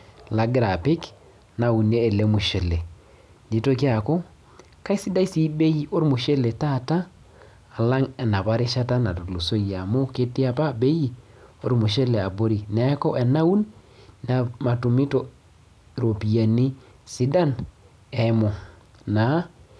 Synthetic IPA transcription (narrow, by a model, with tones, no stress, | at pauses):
la˨ɡɪ˦ɾa˨pɪ˦k | na˨u˨neː˦˨le˦mu˨ʃɛ˨le˨ | di˨˦to˦ki˦a˨ko˦ | ka˦i˦si˦da˦i˦si˦be˦ji˦ʔo˦ɾmʊ˨ʃe˦le˨ta˦˨taː˦˨ | la˦ŋɛ˨na˨pa˦ɾɪ˦ʃa˦ta˦na˨to˨lu˨so˦ja˨mo˦kɪ˦tɪ˦a˨pa˦be˦ji˦˨ | o˦ɾmu˨ʃɛ˦le˨a˨bo˦ɾi˨nɛ˨˦kɔ˦ʔɛ˨na˦u˦nna˨ma˨tu˨mi˦to˦˨ | ɾo˨pi˨a˨ni˦ | sɪ˦da˦n | ɛ˨˦mo˨ | na˨˦